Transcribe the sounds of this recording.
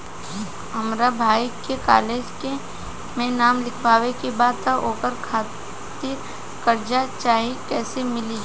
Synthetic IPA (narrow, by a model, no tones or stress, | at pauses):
ɦɐmɾabʱaːikeka̰ːleːd͡ʒke | mẽnaːmlɪkʰʋaːʋekebaːd̪t̪aʔoːkəɾkʰaː | t̪ɪɾ | kɐɾd͡ʒat͡ʃaːɦikɛːsemɪli